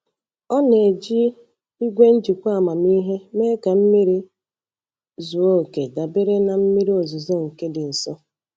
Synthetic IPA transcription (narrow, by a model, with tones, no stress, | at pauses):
ɔ˦ne˨d͡ʒi˦ | i˦ɡʷe˦n̩˦d͡ʒi˨kʷa˦˨ma˨mi˦ɦe˦me˦ka˨m̩˦mi˦ɾi˦ | zu˨o˦˨ke˨da˨be˦ɾe˦na˨m̩˦mi˦ɾi˦o˨zu˨zo˦ŋ̩˨ke˦dɪ˨n̩˨sɔ˦